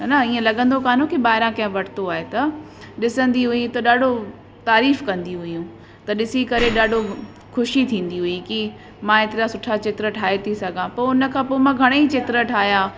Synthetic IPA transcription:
naiːẽlɐɠə̃nd̪okaːn̤õkiɓaːɦɪɾãkɐ̃ɦẽʋɐʈʰɪt̪oaːɦet̪ɐ | ɗɪsə̃nd̪iɦʊĩt̪ɐɗaːɖʱo | t̪aːɾiːfkɐ̃nd̪iɦʊjũ | t̪ɐɗɪsikɐɾeɗaːɖʱo | kʰʊʃit̪ʰĩːn̆d̪iɦʊiki | mãːet̪ɪɾasʊʈʰat͡ɕɪt̪ɾəʈʰaːet̪ʰisɐɡʱãpoːʊnə̆kʰãːpoːmãːɡʱɐɽ̃eit͡ɕɪt̪ɾəʈʰaːɦijaː

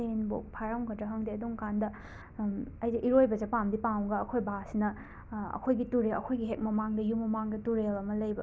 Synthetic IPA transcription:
enbo̰k̚pʰaɾaŋkʰɐdɾɐɦɐŋdeɐduŋkandɐ | ɐjd͡ʒeʔiɾojbɐd͡ʒɐpamdipawɡɐːkʰojbasinɐ | ɐ̰kʰojɡituɾelɐ̰kʰojɡiɦek̚mɐmaŋdɐjumɐmaŋdɐtuɾelɐmɐlɐjbɐ

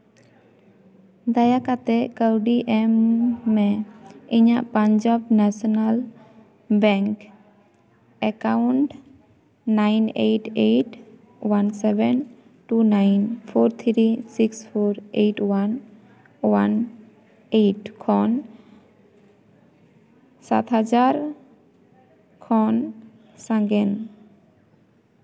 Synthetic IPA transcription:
d̪ajakat̪ɛʔkəwɖiʔɛmːɛiɲaʔpaɲd͡ʒɔbnasɔnal | bɛŋk | ɛkawɳʈ | najnejʈejʈ | wansɛbɛn | ʈunajnfʰoɾt̪ʰɾisiksfʰoɾejʈwan | wan | ejʈkʰɔn | sa̰t̪ɦad͡ʒaɾ | kʰɔn | saŋɡen

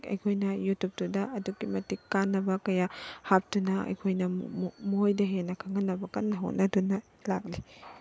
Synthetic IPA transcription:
kɐ̰jkʰojnɐjutup̚tudɐʔɐduɡimɐtikːanːɐbɐkɐjahap̚tunɐɐ̰jkʰojnɐmuojdɐɦenɐkʰaŋɐnːɐbɐkɐnːɐɦo̰t̚nɐdunɐ | lak̚li

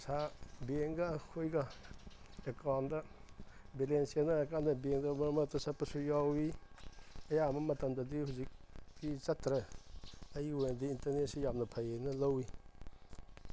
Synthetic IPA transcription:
sabeŋɡakʰojɡa | ekandɐ | belensijanɐekandɐbeŋdamɐɾmɐtɐsapɐsujawi | ɐjamɐmɐtɐmdadihuzik̚dit͡ʃɐtɾɐ | ɐjwondiintɐɾnesijam̚nɐpʰajenɐlɐwi

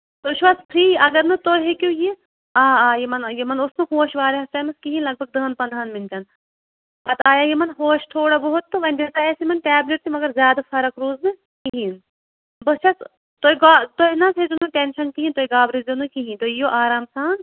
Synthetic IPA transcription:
t̪oʃʋɐspʰɾiːɐɡɐɾnɨt̪oɦekʲũje | aːaːjemɐnjemɐnʊsmɐɦoːʃʋaːɾeɦɐst̪aːmɐskiɦĩːnlɐɡ̚bʱɐɡ̚d̪ɐːnpɐnd̪ʱaːnmɪnʈɐn | bɐt̪aːjajemɐnɦoːʃt̪ʰoːɽabɐɦʊt̪ːoʋɐnʲd̪eːt̪aːjesimɐnʈɛːbleʈ̚sʰimɐɡɐɾzjaːd̪afɐɾɐkɾoːznɨ | kiɦĩn | bɐsʃʰɐs | t̪oːɡaːt̪oɦinɐsʰed͡ʒunuʈenʃɐnkiɦĩnt̪oːiɡaːbɾizɐnukiɦĩnt̪ojoʔaːɾaːmsaːn

